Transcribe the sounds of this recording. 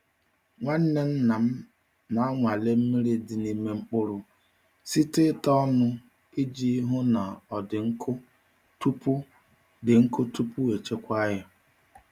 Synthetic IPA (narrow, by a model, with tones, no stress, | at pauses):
ŋʷa˦n̩˦ne˦n̩˦na˨m̩˦ | na˦a˦ŋʷa˨le˦m̩˦mi˦ɾi˦dɪ˨ni˦me˦ŋ͡m̩˦k͡pʊ˦ɾʊ˨ | si˦tɪ˦tɔ˦ɔ˦nʊ˦ | i˦d͡ʒi˦ɦʊ˦na˨ɔ˨dɪ˨ŋ̩˦kʰʊ˦ | tu˦pu˦ | dɪ˨ŋ̩˦kʊ˦tu˦pu˦we˨t͡ʃe˦kʷa˦ja˨